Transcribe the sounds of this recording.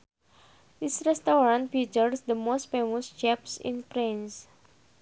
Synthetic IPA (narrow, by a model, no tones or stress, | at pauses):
disɾɛst̪ɔɾãntfit͡ʃəɾsd̪əmost̪femɔst͡ʃɛpsḭ̃npɾĩns